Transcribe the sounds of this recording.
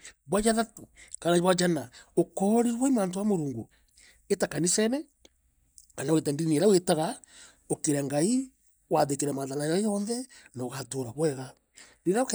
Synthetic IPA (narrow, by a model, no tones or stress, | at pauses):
βwajaðatukanaβwad͡ʒanaokɔɾiwaimaːnt̬owamoɾuːŋɡu | etakanisɛnɛ | kanawetandinieɾawetaɣa | okeɾeŋɡai | waðekeɾemaðanajajɔnðɛnoɣatoɾaβwɛɣa | ɾiɾak